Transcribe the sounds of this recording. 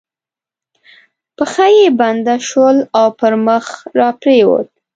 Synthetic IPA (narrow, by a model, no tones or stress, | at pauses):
pəxajeband̪aʃəlawpəɾməxɾɑpɾewo̰t̪̚